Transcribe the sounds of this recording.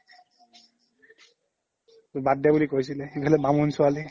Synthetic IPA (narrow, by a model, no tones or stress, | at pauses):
badːabulikojsilɛxipʰalɛbamɔnsʊali